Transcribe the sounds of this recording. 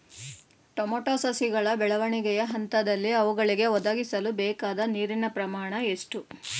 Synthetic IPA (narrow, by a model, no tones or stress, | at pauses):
ʈomoʈaːsɐsiɡɐɭɐbɛɭɐʋɐɳiɡɛjɐɦɐnt̪ɐd̪ɐlːiɐʋuɡɐɭiɡe̞ɔd̪aːɡisɐlubɛːkaːd̪ɐniːɾinɐpɾɐmaːɳɐeʂʈu